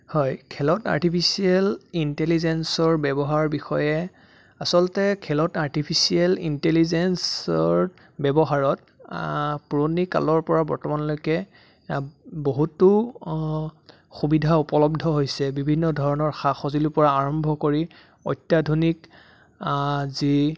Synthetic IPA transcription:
hɔjkʰɛlɔta̰ɹtipʰisiɛlintelizɛnsɔɹbɛbɔɦaɹbixɔjɛ | asɔlɔtɛkʰɛlɔtaɹtipʰisiɛlintelizɛnsɔɹ | bɛbɔɦaɹɔt | puɹonika̰lɔɹpɔɹabɔ̰ɹtɔmanɔlojkɛ | boɦutːʊ | xubidʱaupɔlɔb̚dʱɔɦojsɛbibʱinːɔdʱɔɹɔnɔɹxaxozilupɔɹaːɹɔmbʱɔkoɹi | ɔ̰jtːjadʱonik | zi

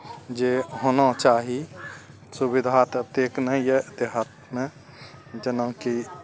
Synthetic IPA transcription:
d͡ʒeɦonat͡ʃaːɦi | subid̪ʱat̪t̪eknəjed̪eɦət̪̚mẽ | d͡ʒənə̃ki

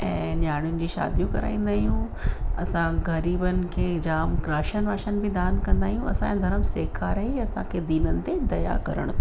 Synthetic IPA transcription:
ɛ̃ːnjaːɽ̃ʊnɪ̆d͡ʑiːʃa̰ːd̪ijũkɐ̰ɾa̰ːĩːn̆d̪aːɦijũ | ɐsãɡɐɾiːbənɪ̆kʰeːd͡ʑaːmɡɾaːʃənʋaːʃənɪ̆bɪd̪aːnkɐ̃nd̪aːɦijũɐ̰sãjãd̪ʱɐɾəmseːkʰaːɾɐɦẽɐsã̰kʰed̪iːnənɪ̆t̪ed̪ɐja̰kɐɾə̰ɽ̃

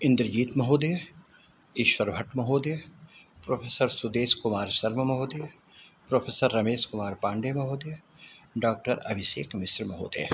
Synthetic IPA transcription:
ɪ̃nd̪ɾd͡ʒiːt̪mɐɦoːd̪eː | iʃʋɐɾbʱɐʈmɐɦoːd̪e | pɾoːpʰeːsəɾsud̪eːskʊmaːɾʃɐɾmɐmɐɦoːd̪eː | pɾoːpʰeːsəɾːɐmeːskʊmaːɾpãːɳɖeːmɐɦoːd̪e | ɖaːk̚ʈəɾɐ̰bʱiʃeːkmɪsɾmɐɦo̰ːd̪ḛː

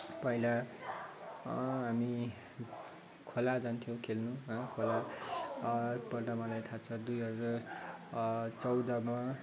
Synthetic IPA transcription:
pʌila | ɦami | kʰolad͡zant̪ʰijõw̃kʰelnuɦʌkʰola | pʌʈamʌlajt̪ʰat͡sʰʌd̪ujɦʌd͡zar | t͡sʌwd̪ʌma

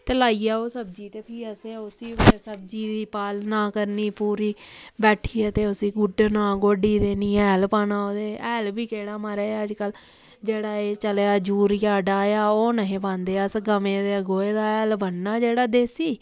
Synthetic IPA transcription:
t̪eːlaːiːjaːoːsəbd͡ʒiːt̪eːpʰiːəsẽːʊsiːsəb̚d͡ʒiːd̪iːpaːlnaːkəɾniːpuːɾiːbɛːʈʰiːɛːt̪eːʊsiːɡʊɖnãːɡoːɖiːd̪eːniːɛːlpaːnaːoːd̪eːɛːlbiːkeːɽaːmaɾeːəd͡ʒkəl | d͡ʒeːɽaːeːt͡ʃəlːaːd͡ʒuːɾjaːɖaːjaːoːnəɦẽːbãːnd̪eːəsɡəmẽːd̪eːəɡoːeːd̪aːɛːlbənːaːd͡ʒeːɽaːd̪eːsiː

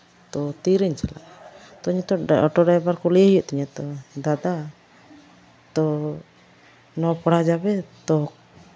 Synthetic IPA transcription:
t̪ɔt̪iɾɛɲt͡ʃala̰ʔt̪ɔɲɛt̪ɔɔʈɔɖajbaɾkɔlɛjjɔʔt̪ɔɲɛt̪ɔd̪ad̪a | t̪ɔ | nɔpɔɽad͡ʒabɛt̪ɔk

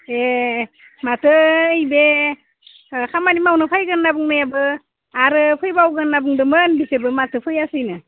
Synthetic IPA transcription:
e | matʰəəjbe | kamanimawnəpʰajɡənːabuŋnajabə | aɾpʰəjbawɡənːabuŋdɯmənbisebəmat̪ʰəpʰəjasɯjna

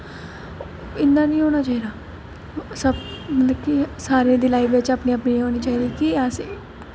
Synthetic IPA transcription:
ɪnd̪aːnĩːɦoːɽ̃aːt͡ʃaːɦiːd̪aː | səbmət̪ləbkisaːɾeːd̪iːlaːiʋeːt͡ʃapnĩːəpniːɦoːniːt͡ʃaːiːd̪iːkiaseː

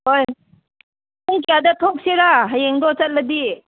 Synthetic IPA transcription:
hoj | uŋkijadɐt̪ʰok̚siɾaɦajeŋdɔt͡sɐt̚lɐd̪i

